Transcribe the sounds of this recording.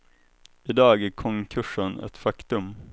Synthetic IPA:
ʔɪd̪ɑːɡækʰɔŋkʰɵʂənɛ̰t̪fakt̪ɵm

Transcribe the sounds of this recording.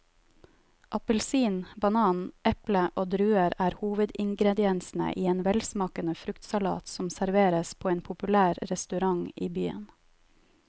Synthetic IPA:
ʔɑpəlsiːnbɑnɑːnʔɛpləʔoːd̪ɾʉːəɾæːɾhuːʋəd̪ɪŋɡɾɛd̪ɪɛnsn̩ə̰ʔiːeːnʋɛlsmɑːkənəfɾʉkt̪sɑlɑ̰ːt̪sɔmsæɾʋeːɾəspʰoːeːnpʰʊpʉlæːɾɾɛst̪ʉɾɑŋiːbyːə̰n

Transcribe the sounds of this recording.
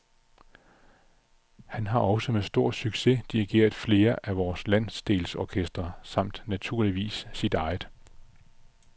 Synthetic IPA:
hænɦɑ̈ʔɒ̽səmesd̥o̝ɐ̰syɡ̥se̝d̥iʁiɡ̥e̝̰ːɐð̩ˠfle̝ːɐʔæʋɒːslæn̰sd̥e̝ːlsɒkʰesd̥ʁɐsɑ̈m̰d̥næt͡sʰuɐ̰liʋḭːsːid̥ɑ̈ɪð̩ˠ

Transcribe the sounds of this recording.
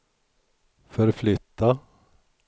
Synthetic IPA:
fœɾflʏt̪ːa

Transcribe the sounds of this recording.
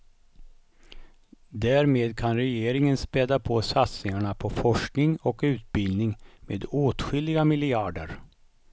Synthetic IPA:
d̪æːɾmeːd̪kʰanɾɛjeːɾɪŋənspɛːd̪apʰɔsat̪snɪŋaɳapʰɔfɔʂknɪŋɔkʉ̟ːt̪̚bɪlnɪŋmḛːd̪oːt̪ɧʏlːɪɡamɪlɪaːɖə̰ɾ

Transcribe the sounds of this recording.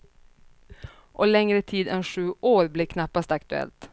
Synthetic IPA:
ʔɔlɛŋɾət̪ʰiːd̪ɛnɧʉ̟ːʔoːɾblɪkʰnapːast̪akt̪ɵɛ̰lt̪

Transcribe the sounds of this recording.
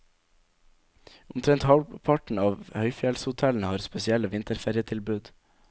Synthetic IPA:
ʊmt̪ʰɾɛnt̪hɑʋpʰɑʈɳ̩ɑːʋhœʏfjɛlshʊt̪ʰɛln̩əhɑːɾspɛsɪɛləʋɪnt̪əɾfæɾjət̪ʰɪlbʉːd̪

